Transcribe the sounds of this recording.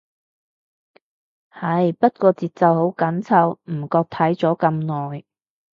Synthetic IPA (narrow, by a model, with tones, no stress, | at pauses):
hɐ˧jpɐ˥t̚kɔː˧t͡siː˨t̚t͡sɐ˨who˨˥wkɐ˨˥nt͡sʰɐ˧wm̩˨˩kɔː˧k̚t̪ʰɐ˨˥jt͡sɔː˨˥kɐ˧mnɔː˨˩j